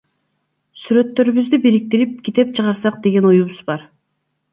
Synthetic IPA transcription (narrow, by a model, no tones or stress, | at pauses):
syɾø̞t̪ːø̞ɾyβyzd̪ybiɾik̚t̪iɾip̚kʰʲit̪e̞p̚t͡ʃʰɯʁɑɾsɑq̚d̪e̞ɡe̞nojuβuzbɑɾ